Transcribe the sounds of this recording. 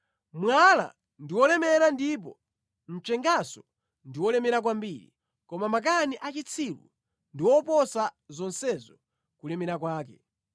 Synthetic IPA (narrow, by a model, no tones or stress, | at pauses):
mwala̰ | ndiwɔlɛmɛɾandip̬ɔ | n̩t͡ʃɛŋɡasɔ | ndiwɔlɛmɛɾak̬wambiɾḭ | kɔmamak̬aniʔat͡ʃit͡sʰilṵ | ndiwɔpɔsazɔnsɛzɔ | kulɛmɛɾakwaːkɛ